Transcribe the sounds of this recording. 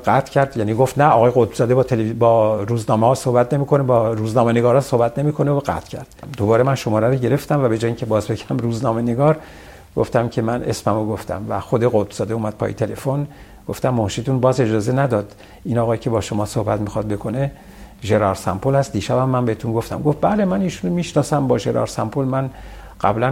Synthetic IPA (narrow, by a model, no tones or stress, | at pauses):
ɡæt̪ʰcʰæɾd̪jæːniɡo̞ft̪næɒːɣɒːjeɣot̪̚bz̥ɒːd̪ebɒːt̪ʰelebɒːɾuːznɒːmehɒːsohbæt̪ʰne̞miːko̞nebɒːɾuːznɒːme̞neɡɒːɾɒnsohbæt̪ʰne̞miːkʰo̞neoɣæ̰t̪ʰcʰæ̰ɾd̪̥md̪o̞bɒːɾe̞mænʃo̞mɒːɾæɾoɟe̞ɾe̞ft̪æmvæbe̞d͡ʒɒːjiŋcʰe̞bɒːzbe̞kʰææmɾuːznɒːme̞ne̞ɡɒːɾ | ɡoft̪æmcʰe̞mænesmæmoɡoft̪ʰæ̰mvæ̰xod̪e̞ɣot̪̚bz̥ɒːd̪euːmæd̪̥̚pʰɒ̰ːjet̪ʰe̞le̞fon | ɡ̥o̞ft̪æmːohʃiːt̪unbɒːze̞d͡ʒɒːze̞næd̪ɒːd̪̥ | inɒːɣɒːjcʰe̞bɒːʃo̞mɒːsohbæt̪mixɒd̪̚be̞kʰo̞ne | ʒe̞ɾɒɾsæ̰mpʰolhæst̪̚d̪iːʃæbæmːæmbehet̪ʰunɡo̞ft̪æ̰mɡofbæle̞mæniːʃunomiːʃnɒːsæmbɒːʒe̞ɾʔɒ̰ːɾsæmpʰolmænɢ̥æ̰blæn